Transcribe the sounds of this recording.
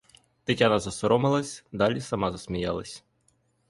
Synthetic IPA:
t̪ɪtʲanɐzɐsɔɾɔmɪlˠɐsʲd̪ɑlʲisɐmɑzɐsmʲijɑlˠɐsʲ

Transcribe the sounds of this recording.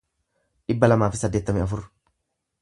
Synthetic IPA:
ᶑɪbːɐlɐmaːfɪsɐd̪ːeːt̪ːɐmɪɐfʊr

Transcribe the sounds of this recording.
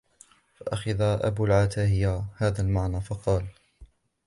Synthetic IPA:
faʔaxaðaʔa̰buːlʕat̪aːɦɪjahaːðaːlmaʕnaːfɑqɑːl

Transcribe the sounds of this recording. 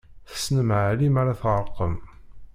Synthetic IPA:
θə̥snəmʕəlimaɾaθʁəɾˤqəm

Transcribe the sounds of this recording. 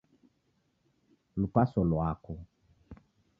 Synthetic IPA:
lupasɔlwakɔ

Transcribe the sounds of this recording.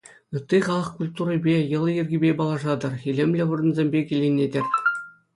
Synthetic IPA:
ɯt̪ʲːiχɑlˠɤ̆χkulʲt̪uɾɤ̆bʲejɤ̆lˠɤjĭrʲɡʲibʲepɑlˠɑʐɑd̪ɤ̆rχʲilʲemʲlʲɘ̆ʋŭrɤ̆nzʲemʲbʲekʲilʲenʲedʲĕrʲ

